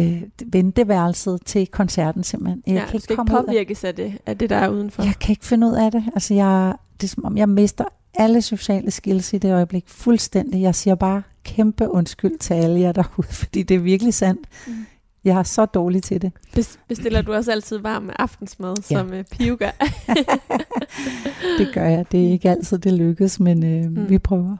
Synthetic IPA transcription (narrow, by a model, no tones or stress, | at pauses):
ʋend̥əʋæɐlsəðˠt͡sʰe̝lkʰɒ̽nsæɐ̰d̥n̩se̝m̰b̥l̩he̝njɑ̈ɪæeɡ̥ʰɒ̽m̥pɒʋ̰ˠiɐɡ̥əsæd̥e̝æd̥e̝d̥ɑ̈æɐuːð̞ˠn̩fɒjɑ̈ɪkʰæe̝ɡ̥fe̝nəuð̞̰ˠæd̥e̝ælsəjɑɪ | d̥e̝sɒ̽mɒ̽mjɑ̈ɪme̝sd̥ɐ | ʔæləso̝ɕɛ̰ːləsɡ̥ilsid̥e̝ɒ̽ɪəb̥le̝ɡ̥fulsd̥en̰d̥ijɑ̈ɪsiːɐb̥ɑ̈ːkʰemb̥əʔɔ̽nsɡ̥yl̰̥t͡sʰeæləjɑd̥ɑuð̰ˠfɒd̥ḭːd̥e̝æɐʋiɐɡ̥əlisæn̰d̥ | jɑ̈ɪæɐsɒ̽d̥ɒːlit͡sʰe̝d̥e̝̥eb̥esd̥e̝l̰ɐd̥uɒ̽sæl̰t͡sʰið̞̰ˠʋɑ̈ːmːeʔɑ̈fd̥n̩smɛðˠsɒ̽mpʰiuɡ̥æ | d̥e̝ɡ̥ɶɐjɑ̈ɪd̥e̝æɐe̝ɡ̥əæl̰t͡sʰið̰ˠd̥e̝løɡ̥ð̩ˠsmenøʋipʰʁœːʊɐ